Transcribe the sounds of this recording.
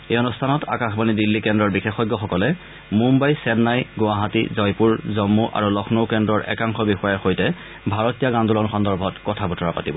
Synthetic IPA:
ejɔnustʰanɔta̰kaxbanidilːikɛndɹɔɹbixexɔjɡːɔxɔkɔlɛ | mumbajsɛnnːajɡowaɦatḭzɔjpuɹzɔmːuʔa̰ɹulɔxʰnowkɛndɹɔɹʔɛ̰kaŋxɔbixɔjaɹxojtɛ | bʱaɹɔtijaɡandʱulɔnxɔndɔɹbʱɔtkɔtʰabʱɔtʰɔɹapa̰tibɔ

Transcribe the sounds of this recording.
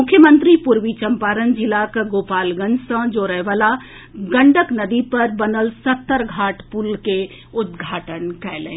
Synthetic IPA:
mʊkʰːjəmə̃nt̪ɾipʊɾʋit͡ʃɐmpaːɾənd͡ʒɪlakɡoːpaːlɡə̃nd͡ʒsə̃d͡ʒoːɾəɦeʋala | ɡɐ̃ɳɖəknɐd̪ipɐɾbɐnəlsɐt̪ːəɾɡʱaːʈpulke | ʊd̪̚ɡʱaːʈənkɛlḛ̃ː

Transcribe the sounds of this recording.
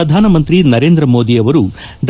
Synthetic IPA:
ɐd̪ʱaːnɐmɐnt̪ɾinɐɾe̞ːnd̪ɾɐmo̞ːd̪ijɐʋɐɾu | ɖ

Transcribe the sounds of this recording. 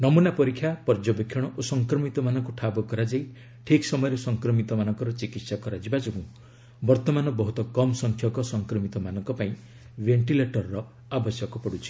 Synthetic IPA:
nɔmunapɔɾikʰːjapɔɾd͡ʒɔbekʰjɔɽ̃ɔʔosɔŋkɾɔmit̪ɔmanɔŋkuʈʰabɔkɔɾad͡ʒai | ʈʰiksɔmɔjɔɾesɔŋkɾɔmit̪ɔmanɔŋkɔɾɔt͡ʃikit̪sakɔɾad͡ʒibad͡ʒoɡũ | bɔɾt̪ɔmanɔbɔɦut̪ɔkɔmsɔŋkʰjɔkɔsɔŋkɾɔmit̪ɔmanɔŋkɔpaĩ | beɳʈileʈɔɾɔɾɔ | abɔsjɔkɔpɔɽut͡ʃʰi̥

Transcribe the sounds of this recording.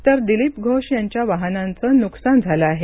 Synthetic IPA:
t̪əɾd̪ilipɡʱoʂjaɲt͡ɕjaʋaɦnãnt͡sənuksand͡zʱaləaɦe

